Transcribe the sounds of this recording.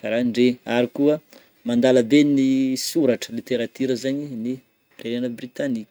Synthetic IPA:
faɾaɳɖ͡ʐeaɾikuə | mand̪aləd̪enisuɾaʈ͡ʂə̥lit̪eɾat̪yɾəzaɲini | renanəbrit̪anikʲə̥

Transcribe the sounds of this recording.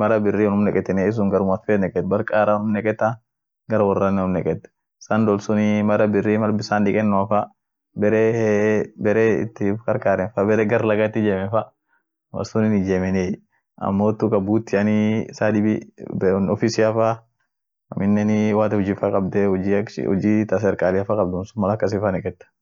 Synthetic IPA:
mɐɾɐbɪrːiːɔnʊmnɛkʼɛt̪ːɛneːɪs̬ʊŋɡɐɾʊmɐt̪feːnɛkʼɛt̪bɐɾkʼaːɾaːʊnʊmnɛkʼɛt̪ːa | ɡɐɾɐwɐrːɐnːɛʊmnːɛkʼɛt̪ːɛ̥ | sand̪ɔlsʊnimɐɾɐbɪrːiːmɐɾbɪsaːnᶑɪkʼɛnːʊɐfa | bɛɾeː | bɛɾeːɪ̰t̪ːɪkɐɾkaːɾɛnfɐbɛɾɛɡɐɾlɐɡat̪ːɪd͡ʒeːmɛfa | wɐ̰sʊnɪnɪd͡ʒeːmɛne | ɐ̰mːoːt̪ːʊkʼɐbuːt̪ːɪɐnisaːdɪbɪbnɔfisɪɐfa | ɐ̰mɪnːɛnɪwaːt̪ɛhɔd͡ʒɪfakʼɐbd̪ɛ̰ɔ̰d͡ʒit̪ɐs̬ɛɾkʼaːlɪɐfakʼɐbd̪ʊnsʊmɐlɐkːɐs̬ɪfɐnɛkʼɛt̪ːɐ̥

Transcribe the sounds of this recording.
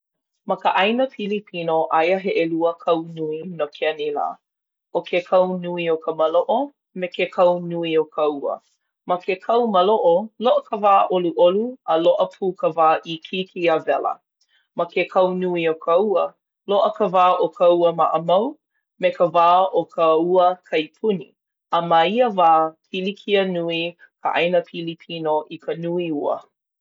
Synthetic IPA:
mɐkəʔɐjnəfilipʰinoʔɐjəɦeʔeluəkʰɐwnuinokʰɛənila̰ː | ʔokʰekʰɐwnuiokʰəməloʔo | mekekʰɐwnuiokʰɐwə̰ | mɐkʰekʰɐwməloʔoloʔəkʰəvaːʔoluʔoluəloʔəpʰuːkəvaːʔikʰikʰiəvɛlə̰ | mɐkekʰɐwnuiokʰəuə | loʔəkəvaːʔokʰɐuəmɐʔəmɐw | mekəvaːʔokʰəuəkʰɐjpʰunḭ | əmaiəvaːpʰilikʰiənui | kʰəʔɐ̰jnəpʰilipʰinoʔikʰənuiuə̰

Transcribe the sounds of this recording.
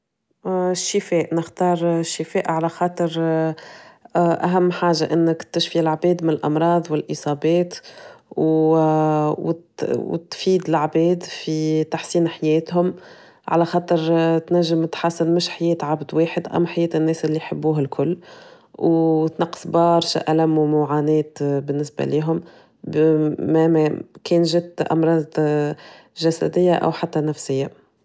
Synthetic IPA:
ʃːɪfɛːʔnɪxt̪ɑːɾˤʃːɪfɛːʔʕalæxɑːt̪ˤɨɾ | ʔæɦæmːħaːʒaʔɪnːɪkt̪ːɪʃfilʕbɛːd̪mɪnɪlʔɑmɾˤɑːðˤwɪlʔɨsˤɑːbɛːt̪w | w̰w̰t̪fiːd̪ɪlʕbɛːd̪fit̪aħsiːnħajɛːt̪ɦʊm | ʕa̰læxɑːt̪ˤɨɾt̪næʒːɪmt̪ħasːɪnmʊʃħajɛːt̪ʕabd̪weːħɪd̪ʔæ̰mːħajɛːt̪ɪnːɛːsʔɪlːijħabːuːɦalkʰʊlː | wt̪nɑqːsbɑːɾˤʃa̰ʔælæmumʊʕaːnɛːt̪bɪnːɪsba̰liːɦʊm | mæmkɛːnʒɪt̪ʔɑ̰mɾˤɑːd̪ | ʒæsæ̰d̪ɪjːaʔæ̰wħat̪ːænæfsɪjːa

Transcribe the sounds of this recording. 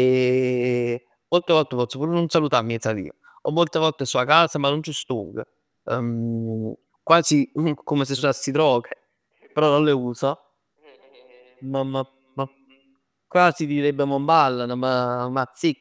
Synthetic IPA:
e | molt̪evɔlt̪epɔt̪sopuːɾenonsalut̪amːiɛt̪salḭː | ɔmːolt̪evɔlt̪esuakaːsamanːont͡ʃist̪ṵːɡə̰ | kwaːsikomes̬esasːit̪ɾɔːke | peɾɔnonleuːsa | mama | ma | kwaːsid̪iɾebːemombalːanamamat̪sːik

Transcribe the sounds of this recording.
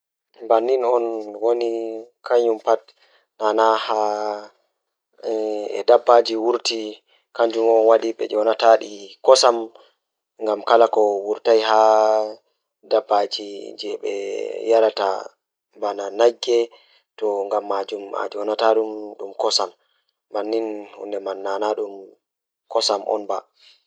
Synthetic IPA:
mbanːinɔnwonikaɲumpat̚ | nanaha | ɛ̰dabːad͡ʒiwuɾti | kaɲd͡ʒumɔnwadiɓɛ̰d͡ʒɔnataɗikɔsam | ŋɡamkalakɔwuɾtajɦa | dabːad͡ʒid͡ʒɛɓɛ̰jaɾata̰ | mbananaɡːɛ | tɔŋɡamːad͡ʒuma̰d͡ʒɔnataɗumɗumkɔsamː | anːinhṵndɛmanːanaɗum | kɔsamʔɔ̰nba

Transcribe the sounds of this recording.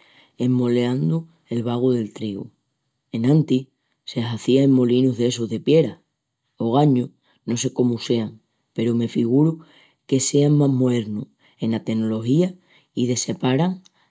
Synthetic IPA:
e̞mːo̞leand̪u | e̞lβaɣ̞uðe̞lt̪ɾiɣṵ | e̞nãnt̪i | seaθiaemmo̞linuɦðe̞soɦðe̞pje̞ɾa | o̞ɣ̞aɲu | no̞se̞ko̞muse̞aŋ | pe̞ɾome̞fiɣ̞uɾu | ke̞se̞aŋmaɦmoðe̞ɾnu | e̞nat̪e̞no̞lo̞hia | ið̞e̞se̞paɾaŋ

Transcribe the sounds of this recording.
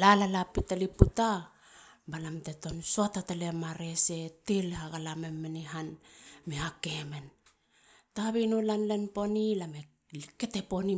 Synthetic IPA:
lalalapitaliputa | balamte̞to̞nsoatatale̞maɾe̞se̞telhaɡalamemːeniɦanmehake̞me̞n | taβinulanle̞npo̞nilame | lke̞te̞po̞ni

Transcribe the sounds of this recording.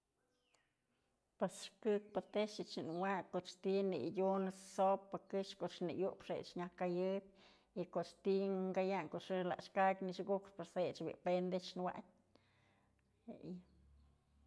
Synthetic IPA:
pasʃkɨk̚pat̪eʃit͡ʃinwakot͡ʃt̪inḭjunsopːakɨʃkot͡ʃnḭjupʂḛt͡ʃɲʲakajɨd̪ | ikot͡ʃt̪iŋɡajaŋkoɨla̰ʃkakniʃɡukʂpaɾset͡ʃbḭpend̪et͡ʃnwa̰tʲ | ḛj

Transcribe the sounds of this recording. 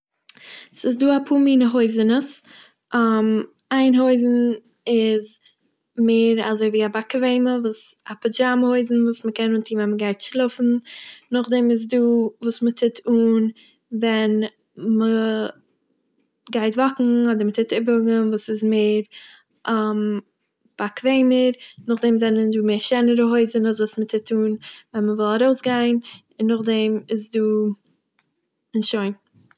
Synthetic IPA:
sɪs̬duːapʰuːmiːnəɦoɪzənəs | əm | aɪnɦoɪzn̩ | ɪz | meːɾa̰zoɪviːabakəveɪməvuːsapɛd͡ʒamhoɪzn̩vuːsməkɛnuːntʰiːnvɛnməɡaɪtʃlˠʊfn̩nʊχdɛmɪz̬duːvuːsmətʰɪtʰuːn | vɛn | mə | ɡaɪtvɔkŋ̩ɔdəɾmətʰɪtɪbʊɡənvuːsɪzmeɪɾ | ʔam | b̥akveɪməɾnʊχdɛmzɛnənduːmeːɾʃɛnəɾəɦoɪzənɔs̬vuːsmətʰɪtʰuːnvɛnməvɪlˠaɾoʊsɡaɪn | ɪnːʊχdɛmɪsduː | ɪnʃoɪn

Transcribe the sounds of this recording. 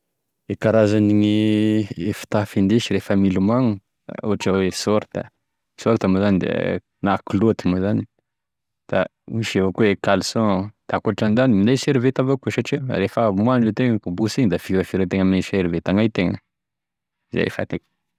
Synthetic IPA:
ekaɾazaniɲi | efi̥t̪afind̪eʃiɾefəmilumaŋṵ | oaʈ͡ʂawesoɾt̪ə̰ | soɾt̪amuzanid̪ḛ | naklot̪imuzani | d̪̥a̰ | miʃavokuekalsɔ̃d̪̥akuaʈ͡ʂanizanimineseɾivet̪avokuʃaʈ͡ʂiɾefəmuaɖ͡ʐet̪eŋəkubusiɲd̪afiɾəfiɾət̪eŋəmineseɾivet̪aŋajt̪eŋə̰ | za̰jḛfa̰t̪eŋ

